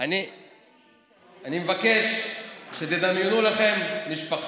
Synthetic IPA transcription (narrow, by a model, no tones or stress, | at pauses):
ani | animevake̞ʃʃet̪ed̪amjunulaχe̞mniʃpaχ